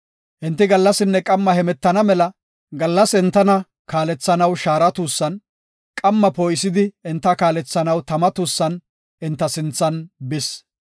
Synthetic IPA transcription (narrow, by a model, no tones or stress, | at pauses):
ʔɪnt̪ːɪɡɐlːɐsɪnːɛkʼɐmːɐhɛmɛt̪ːɐnɐmɛlɐ | ɡɐlːɐsɪnt̪ːɐnɐ | kaːlɛt͡sːɐnɐwʃaːɾɐt̪uːsːɐn | kʼɐmːɐpoːjsɪd̪ɪɪnt̪ːɐkaːlɛt͡sːɐnɐwt̪ɐmɐt̪uːsːɐn | ɪnt̪ːɐsɪnt͡sːɐnbɪs